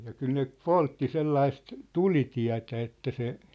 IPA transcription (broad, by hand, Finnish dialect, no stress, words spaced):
jɑ kyl ne poltːi selːɑist tulitiæ̝tæ etːæ se